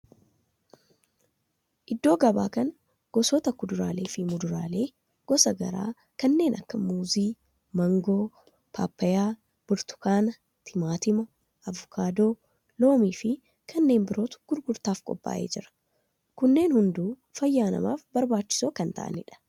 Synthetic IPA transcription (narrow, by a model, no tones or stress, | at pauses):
ʔɪd̪ːo̞ːɡɐba̰ːkɐn | ɡ̥ɔsɔːt̪ɐkʊd̪ʊɾaːle̞ːfɪmʊd̪ʊɾaːle̞ː | ɡ̥ɔsɐɡɐ̰ɾa̰ː | kɐnːe̞ːnʔɐ̰kːɐmuːziː | mɐŋɡo̞ː | pʰa̰ːpːɐjaː | b̥ʊɾt̪ʊ̥kaːnɐ | t̪ʰɪmaːt̪ɪmɔ | ʔɐvʊkʰaːd̪o̞ː | lo̞ːmiːfɪ | kʰɐnːe̞ːmbɪɾo̞ːt̪ʊ̥ɡ̥ʊɾɡʊɾt̪aːfkʼɔ̰pʼːa̰ːʔe̞̰ːd͡ʒɪɾɐ̥ | kʊnːe̞ːnhʊnd̪uː | fɐjːaːnɐ̰ma̰ːfbɐɾbaːt͡ʃːɪ̥soːkɐnt̪ɐ̰ʔɐ̰nɪᶑɐ̥